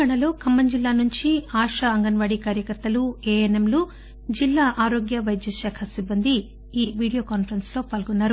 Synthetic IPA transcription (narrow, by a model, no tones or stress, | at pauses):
aɳɐloːkʰɐmːɐɲd͡ʒilːaːnuɲt͡ʃiaːʂɐɐŋɡɐnʋaːɽikaːɾjɐkɐɾt̪ːɐlueːjɐnɐmlu | d͡ʒilːaːʔaːɾoːɡjɐʋɐjd̪jɐʃaːkʰɐsibːɐnd̪i | iːʋiːɽijoːkaːnpʰɐɾɐnslo̞ːpaːlɡɔnːaːɾu